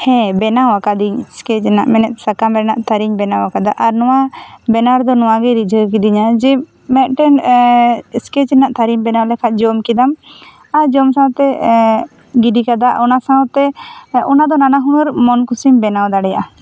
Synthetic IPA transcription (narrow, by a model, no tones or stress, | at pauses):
hɛ̃bɛnawakad̪iɲskɛt͡ʃna̰ʔmɛnɛt̪̚sakambɛɾnaʔt̪ʰaɾiɲbɛnawakad̪aʔaɾnɔwabɛnaɾd̪ɔnɔwaɡɛɾid͡ʒʱəkid̪iɲad͡ʒi | mɛt̪̚ʈɛn | skɛt͡ʃnaʔt̪ʰaɾiɲbɛnawlɛkʰat̪̚ˀd͡ʒɔmkid̪am | aɾd͡ʒɔmsãt̪ɛ | ɡiɖikad̪aʔɔnasaɔt̪ɛɔnad̪ɔnanaɦunəɾmɔnkusimbɛnawd̪aɽɛjaʔa